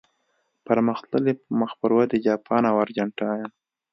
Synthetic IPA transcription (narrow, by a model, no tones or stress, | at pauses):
paɾməxt̪ləlepməxpəɾwad̪ed͡ʒɑpʰɑnawaɾd͡ʒaɳʈajam